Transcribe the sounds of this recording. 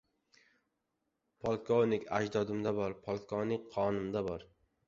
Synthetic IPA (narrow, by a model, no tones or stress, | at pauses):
pʰolˠkʰownɪkʲʰa̰d͡ʒd̪ɒd̪ɪmd̪abɒɾpʰɒlˠkʰovnɪk̚ʲqʰːɒnɪmd̪abɒɾ